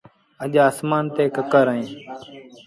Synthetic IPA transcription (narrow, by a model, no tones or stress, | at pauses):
əʄaːsmaːnt̪eːkəkəɾəẽː